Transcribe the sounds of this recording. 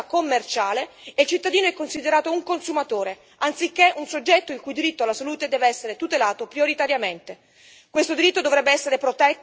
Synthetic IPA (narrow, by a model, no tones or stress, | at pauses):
komːert͡ʃaːleːilt͡ʃit̪ːad̪iːnoɛkːonsid̪eɾaːt̪ouŋkonsumat̪oːɾe | ant̪sikːeʔunsod͡ʒːɛt̪ːoiŋkujd̪iɾit̪ːoalːasaluːt̪ed̪ɛːveɛsːeɾet̪ut̪elaːt̪opɾioɾit̪aɾjament̪e | kwest̪od̪iɾit̪ːod̪ovɾɛbːeɛsːeɾepɾot̪ɛt̪ː